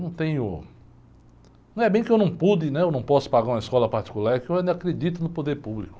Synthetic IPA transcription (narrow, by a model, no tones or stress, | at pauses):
nɐ̃w̃t̪ẽj̃ʊ | nɐ̃w̃ɛbẽj̃kɪewnɐ̃w̃pud̪ɪnɛewnɐ̃w̃pɔsʊ̥paɡaɾũɐiskɔlɐpaɾt͡ʃi̥kulaɾɛkɪewakɾed͡ʒit̪ʊnʊpod̪eɾpublikʊ̥